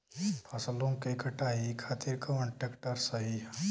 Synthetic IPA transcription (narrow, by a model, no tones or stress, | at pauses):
pʰɐslõkekɐʈaːɦikʰaːt̪ɪɾkɐʋə̃ɳʈekʈəɾsɐɦi